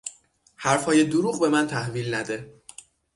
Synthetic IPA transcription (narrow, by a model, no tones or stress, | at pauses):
hæɾfhɒːje̞d̪oɾuːɣbe̞mænt̪ʰæhviːlnæd̪e̞